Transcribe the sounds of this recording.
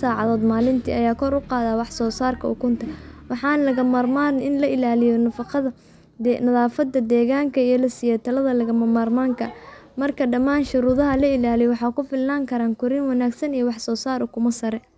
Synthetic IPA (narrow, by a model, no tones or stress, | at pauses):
saːʕɑðɔːd̪maːlɪnt̪ʰḭːʔɐjaːkʰɔɾʊqɑːðaːwɑħsɔːsaːrkʰɐʊ̰kʰʊnt̪ʰɐwɑħɑːnlɐɣɐmaːrmaːɾnɪnlɐʔɪlaːlɪjɔnɐfɑqɑðɐ | d̪ɛnɐðaːfɐd̪ɐd̪ɛːɣaːŋkʰɐijɞlɐsɪjɛːt̪ʰɐlɐðɐlɐɣɐmɐmaːrmaːŋkʰɐmɐrkʰɐɖɐmaːnʃʊɾuːðɐɦɐlɐɪlaːlijwɑħɑːkʰʊfɪlnaːŋkʰɐɾaːŋkʰʊɾɪnwɑnaːɡsɐnijɔwɑħsɔːsaːɾʊkʰʊmɐsɐɾɛ